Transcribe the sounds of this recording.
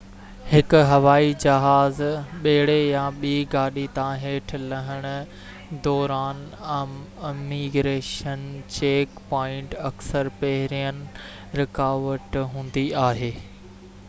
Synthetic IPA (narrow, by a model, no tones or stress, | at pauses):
hɪkʊ̆ɦɐʋaːid͡ʑɐɦaːzɓɐɦɪɽejãɓiːɡaːɗit̪ãɦeːʈʰlɐɦəɽ̃ʊ̆ | d̪ɔːɾaːn | ɪmiːɡɾeːʃənt͡ɕeːkpɔːɪ̃ɳʈɐksəɾpɐɦɪɾijənɪ̆ | ɾɪkaːʋəʈɦũːn̆d̪iaːɦeː